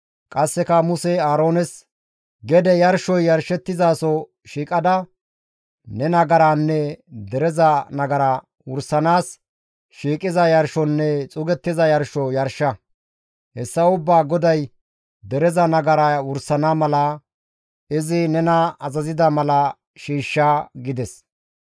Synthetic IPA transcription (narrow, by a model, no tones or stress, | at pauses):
kʼɐsːɛkɐmʊsɛaːɾoːnɛs | ɡɛd̪ɛjɐɾʃɔjːɐɾʃɛt̪ːɪzaːsɔ | ʃiːkʼɐd̪ɐ | nɛnɐɡɐɾaːnːɛd̪ɛɾɛzɐnɐɡɐɾaː | wʊɾsɐnaːs | ʃiːkʼɪzɐjɐɾʃɔnːɛt͡sʼʊɡɛt̪ːɪzɐjɐɾʃɔjɐɾʃɐ | hɛsːɐʊbːaːɡɔd̪ɐj | d̪ɛɾɛzɐnɐɡɐɾawʊɾsɐnamɐlɐ | ɪzɪnɛnɐɐzɐzɪd̪ɐmɐlɐ | ʃiːʃːaːɡɪd̪ɛs